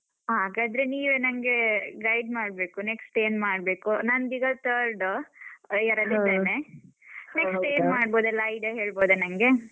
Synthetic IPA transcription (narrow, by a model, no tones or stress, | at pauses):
ɦaːɡaːd̪ɐɾeniːʋenɐŋɡe̞ɡɐjɖmaːɖbe̞ːkuneksʈeːnmaːɖbeːkunɐnd̪iɡɐt̪ʰɐɾɖ | ɛɾɐd̪id̪eːne | neksʈeːnmaːɖboːd̪ɛlːɐɐjɖɐɦeːɭboːd̪ɐnɐŋɡe̞